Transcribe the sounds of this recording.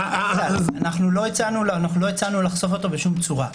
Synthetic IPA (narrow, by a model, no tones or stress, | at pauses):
aanaχnulo̞it͡sanulanaχnulo̞it͡sanulaχso̞fo̞t̪o̞beʃumt͡suʁa